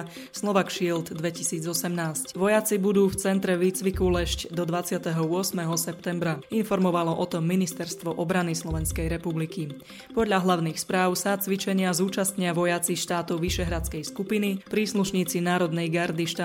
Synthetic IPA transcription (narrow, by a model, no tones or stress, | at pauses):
slɔʋakʃilt̪d̪ʋɛcisiːd͡zɔsɛmnaːscʋɔjat͡sibud̪uːft͡sɛnt̪ɾɛʋiːt͡sʋikulɛʃcd̪ɔd̪ʋat͡sɪat̪ɛɦɔʊɔsmɛɦɔsɛpt̪ɛmbɾainfɔɾmɔʋalɔʔɔt̪ɔmːinist̪ɛɾst̪ʋɔʔɔbɾanislɔʋɛnskɛjɾɛpubliki | pɔd̪ʎaɦlaʊniːxspɾaːʊsat͡sʋit͡ʃɛɲɪazuːt͡ʃast̪ɲɪaʋɔjat͡sixʃt̪aːt̪ɔʊʋiʃɛɦɾat͡skɛjskupinipɾiːsluʃɲiːt͡sinaːɾɔd̪nɛjɡaɾd̪iʃt̪